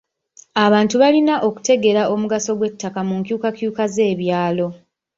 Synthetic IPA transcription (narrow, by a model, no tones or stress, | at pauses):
aβaːntuβalinaʔo̞ku̥te̞ɡe̞ɾaʔo̞muɡaso̞ɡwe̞tːakamuŋkjuːkakjuːkaze̞ːβjaːlo̞